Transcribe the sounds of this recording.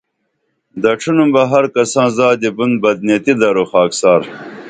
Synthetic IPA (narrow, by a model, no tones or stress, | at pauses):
d̪ɐʈ͡ʂʰunumbɐɦɐɾkɐsãːzaːd̪ibund̪bɐd̪̚net̪id̪ɐɾoxaːksaːɾ